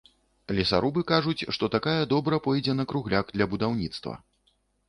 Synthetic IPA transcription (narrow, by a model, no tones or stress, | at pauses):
alʲɛsa̰ɾubɨkaʐut͡sʲʂt̪ɔt̪akajɐd̪ɔbɾɐpɔjd͡zʲɛnɐkɾuɣlʲaɡd̪lʲɐbud̪awnʲit̪st̪vɐ̰